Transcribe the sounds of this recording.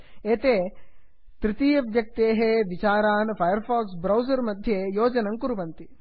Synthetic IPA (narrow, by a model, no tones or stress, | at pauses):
eːt̪eː | t̪ɾɪt̪iːɐʋjɐk̚t̪eːɦeʋit͡ʃaːɾaːnpʰɐjɐɾfʰaːksbɾɐwzɐɾmɐd̪ʱjejoːd͡ʒɐnɐŋkuɾuʋɐnt̪i